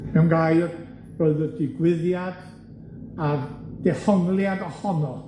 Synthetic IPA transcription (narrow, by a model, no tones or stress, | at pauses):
mɛwnɡrajr | roɨðədɪɡwɪðjad̥ | ad̥ɛfɔŋlˠjadɔɬɔnɔ